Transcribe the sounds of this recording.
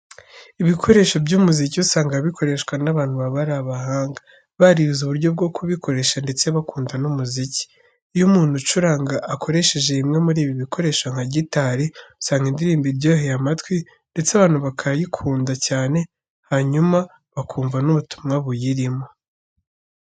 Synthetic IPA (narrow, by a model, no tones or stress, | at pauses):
iβikʰo̞ɾe̞ːʃo̞bɟumuziciusaːŋɡaβikʰo̞ɾe̞ʃkwanaβaːn̥huβaβaɾaβaɦaːŋɡa | βaɾiuzuβuɾɟo̞b̚ɡo̞kuβiko̞ɾe̞ʃande̞t͡se̞βakuːndanumuzici̥ | jumuːn̥hut͡ʃuɾaːŋɡaʔːkʰo̞ɾe̞ʃe̞ʒe̞imŋe̞muɾiːβiβikʰo̞ɾe̞ːʃoŋ̥haɟitaɾiusaːŋɡindiɾiːmbibɟo̞ːɦejamatwi | nde̞t͡seaβaːn̥huβakʰajikʰuːndacaːne̞ | haɲuma | βakuːɱvanuβutu̥mŋaβujiɾimo̞